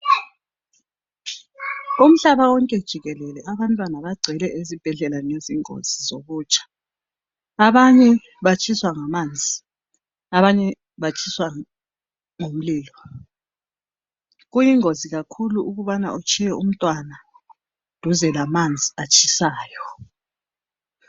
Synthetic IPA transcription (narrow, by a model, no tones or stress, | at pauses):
um̩ɬaβawɔŋkʼɛd̥ʒ̥ʱiɣɛlɛlɛʔaβantʼwanaβaɡ͡ǀʱɛlɛʔezib̥ʱɛɮɛlaneziŋo̰z̥izoɣuːt͡ʃʼḁ | aβaɲɛ | βat͡ʃʼʰiswaŋamand͡zʱi | aβaɲɛ | βat͡ʃʼʰiswa | ŋom̩liːlɔ | ɣujiŋoziɣakʰuluʔuɣuβana̰ʔut͡ʃʰʼijɛʔum̩tʼwana | d̥ʱuzɛlamand͡zʱiat͡ʃʼʰisaːjɔ